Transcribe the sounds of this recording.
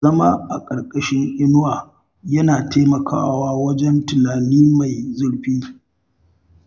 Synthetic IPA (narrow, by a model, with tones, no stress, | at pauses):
ɐ˦ma˦ʔa˨kʼɐ˨rkʼɐ˦ʃɪ˦ŋʔɪ˦nʊ˦waː˨ | jɐ˦naː˨teː˦mɐ˨kʰa̰ː˦waː˦wɐ˦d͡ʒɛ˦ntʊ˨naː˨niː˦ma˨jzʊ˦ɽɸiː˦